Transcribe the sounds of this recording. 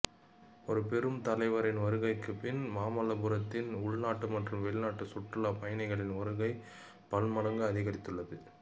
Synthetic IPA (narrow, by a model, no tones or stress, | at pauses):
ɔɾɯpɛɾɯmt̪ɐlɐɪʋɐɾɪnʋɐɾɯɣɐɪkːɯpɪnmaːmɐlɐbɯɾɐt̪ːɪnʊɻnaːʈːɯmɐʈrɯmʋɛlɪnaːʈːɯsʊʈrɯlaːpɐjɐnɐɪɣɐɭɪnɔɾɯɣɐɪ | pɐlmɐlɐŋɡɯɐðɪɣɐɾɪt̪ːɯɭːɐðɯ